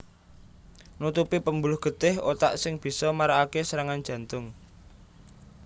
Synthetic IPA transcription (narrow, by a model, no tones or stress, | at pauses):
nut̪upipəmbulʊhɡ̥ə̤t̪ɪhot̪a̰ʔsɪŋb̥i̤sɔmaɾaːkesəɾaŋand̥ʒ̥ä̤nt̪ʊŋ